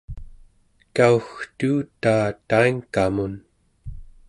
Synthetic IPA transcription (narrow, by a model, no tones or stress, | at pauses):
kauxt̪uːt̪aːt̪aiŋkamun